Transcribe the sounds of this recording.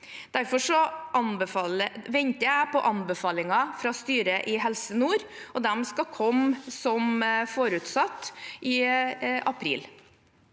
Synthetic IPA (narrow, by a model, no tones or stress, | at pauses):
d̪̥æɾfɔʂɔʔɑnbəfɑːləʋɛnt̪əæɪpɔʔɑnbəfɑːlɪŋɑfɾɑst̪yːɾəʔɪɦɛlsənuːɾʔɔd̪ɛmskɑkʰɔmsɔmfoːɾʉːt̪sɑt̪ːʔɪʔɑpʰɾḭːl